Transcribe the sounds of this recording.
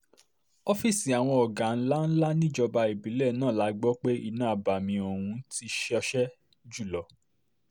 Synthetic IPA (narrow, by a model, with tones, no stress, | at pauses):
ɔ˦fi˦˨si˨a˨w̃ɔ̃˧ɔ˨ɡa˨n̩˦la˦n̩˦la˦nĩ˦˨˦d͡ʒɔ˧ba˧i˨bi˨˦lɛ˦˨nãː˦˨la˨˦ɡ͡bɔ˦k͡pe˦ḭ˧nã˦˨ba˨mĩ˧o˨hũ˧ti˧ʃʃɛ˦ | d͡ʒu˦˨lɔ˨˦